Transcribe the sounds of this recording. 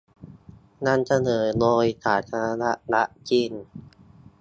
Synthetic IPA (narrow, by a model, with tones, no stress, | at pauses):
na˧˥˩nsa˧nɤː˨˩˦jloː˧jsʰaː˩˦t̪̚t̪ʰaː˧ɾa˧˥na˦˥ʔɾa˦˥ʔt͡ɕi˧˩n